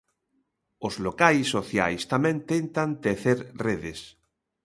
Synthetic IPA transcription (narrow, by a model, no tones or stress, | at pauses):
ozlokajsːoθja̰jst̪amɛ̃nt̪ent̪ant̪eθeɾreðɪs